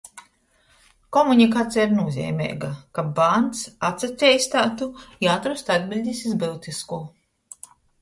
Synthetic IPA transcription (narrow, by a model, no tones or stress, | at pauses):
kɔmunikat̪sʲɛiɾnuɔzʲɛ̰ːmʲɛ̰ːɡakabant̪sat̪sat̪ʲɛːjst̪aːt̪ujaːt̪ɾust̪ad̪bʲilʲd̪ʲisʲizbɨlt̪iskuː